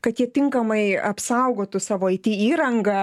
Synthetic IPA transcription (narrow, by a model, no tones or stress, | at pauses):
kɐt̪jiɛt̪ʲɪŋkɐmɐɪɐpsɐʊɡoːt̪ʊsɑːʋoːɐɪt̪ʲiːiːɾɐŋɡɐ